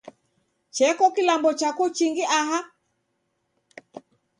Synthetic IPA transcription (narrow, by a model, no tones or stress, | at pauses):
t͡ʃɛkɔkilambɔt͡ʃakut͡ʃiŋɡiʔaɦa